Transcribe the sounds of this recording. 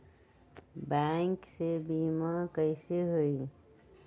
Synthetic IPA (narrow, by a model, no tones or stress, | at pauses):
bɛŋksebiːmakəɪseɦoi